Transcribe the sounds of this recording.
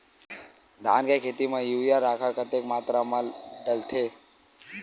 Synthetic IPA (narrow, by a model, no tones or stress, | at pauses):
d̪ʱaːnkajkʰeːt̪imãjujaɾaːkʰaɾkʰət̪ekmaːt̪ɾamaɖəlt̪ʰe